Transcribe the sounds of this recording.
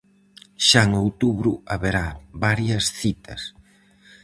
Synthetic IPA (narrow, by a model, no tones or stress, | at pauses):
ʃaeŋowt̪uβɾuaβeɾaβaɾjɐsθit̪ɐs